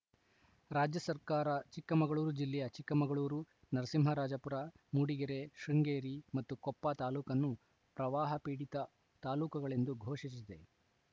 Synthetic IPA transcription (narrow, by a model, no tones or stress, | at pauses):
ɾaːd͡ʒjɐsɐɾkaːɾɐt͡ʃikːɐmɐɡɐɭuːɾud͡ʒilːɛjɐt͡ʃikːɐmɐɡɐɭuːɾu | nɐɾɐsimɦɐɾaːd͡ʒɐpuɾa | muɽiɡeɾeʃuŋɡeːɾimɐt̪ːukɔpːat̪aːluːkɐnːu | pɾɐʋaːɦɐpiːɽit̪ɐ | t̪aːluːkɐɡɐɭe̞nd̪uɡʱoːʂisid̪e̞